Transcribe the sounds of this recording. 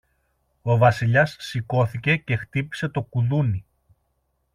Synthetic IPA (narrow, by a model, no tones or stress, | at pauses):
o̞vɐsiʎɐsːiko̞θice̞ce̞xt̪ipi̥se̞t̪o̞kuðuni